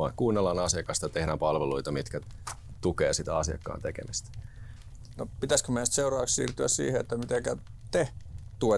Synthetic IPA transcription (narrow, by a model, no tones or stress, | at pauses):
ɑŋkuːnːelːɑnɑsjɑkɑst̪ɑt̪ehɾæːmpɑlʋeluit̪ɑmit̪kæ | t̪ukeːsit̪æɑsiɑ̰kːɑ̰ːnt̪ekḛmist̪æ̥ | nopit̪æskømenst̪seurɑːkssḭːrt̪yæssḭːheet̪ːæmit̪ekæt̪et̪ue